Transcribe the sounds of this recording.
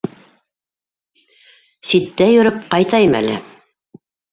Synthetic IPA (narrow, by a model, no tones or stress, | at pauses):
sit̪ːæjɵ̆ɾɤp̚qɑjt̪ɑjɤmæ̰lɘ̰